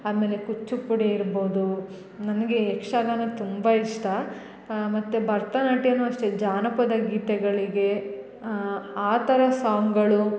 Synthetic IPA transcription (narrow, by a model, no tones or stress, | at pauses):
aːme̞ːle̞kut͡ʃːupːuɽeiɾbo̞ːd̪u | nɐnɐɡe̞ːkʂaːd̪aːnɐt̪umbɐiʂʈɐ | mɐt̪ːubʱɐɾt̪ɐnɐʈijɐnːuɐʂʈed͡ʒaːnɐpɐd̪ɐɡiːt̪ɛɡɐɭiɡe̞ | aːt̪ɐɾɐsaːŋɡɐɭu